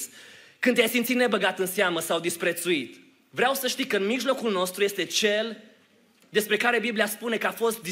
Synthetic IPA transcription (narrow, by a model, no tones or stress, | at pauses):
kɨnjajsimt̪sit̪nebəɡat̪ɨnseaməsawd̪ispɾe̞t̪suit̪ | vɾeawsəʃt̪ikəɨnmiʒlo̞kulno̞st̪ɾujest̪e̞t͡ʃe̞l | d̪e̞spɾe̞kaɾe̞bibliaspune̞kəafo̞st̪̚d̪i